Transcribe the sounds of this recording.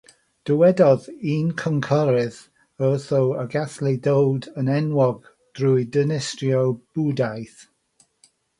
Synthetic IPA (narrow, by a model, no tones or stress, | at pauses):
d̥əwɛdɔðiːnkʰɔŋkʰɔɾɪð | əθɔwəɡaθlɪdowdənɛnwɔɡ | d̥rujdənɪstjɔb̥udajθ